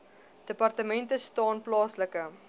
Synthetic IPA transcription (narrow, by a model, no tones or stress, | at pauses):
d̥əpɐrtəmɛntəstɑːnplɑːsləkə